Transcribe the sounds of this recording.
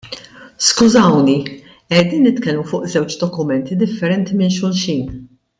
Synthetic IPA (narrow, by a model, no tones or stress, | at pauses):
skʊzɐwni | ɛd̪iːnːɪt̪kɛlmufʊːʔzɛwt͡ʃd̪ɔkʊmɛnt̪id̪ɪfːɛɾɛnt̪imɪnʃ̬ʊlʃiːn